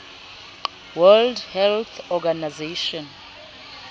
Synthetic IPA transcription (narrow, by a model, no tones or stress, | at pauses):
wɛldhɛlt̪ʰɔɡanazeʃɔn